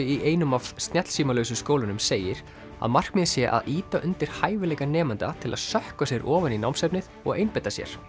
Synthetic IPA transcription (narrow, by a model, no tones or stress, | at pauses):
ɪiʔeːjnʏmavst̪nɛt̪l̥siːmalœːɥsʏskoːwlʏnʏmseːjɪɾ̥ | a̰ðmar̥kmɪðsjɛʔa̰ðiːt̪aʔʏnt̪ɪɾ̥haːjvɪlɛːkanɛːmant̪a̰t̪ʰɪla̰ðsœhkasjɛɾʔɔːvaninawmsɛpnɪð | ɔ̰ɣejnpɛjt̪asjɛ̰ɾ̥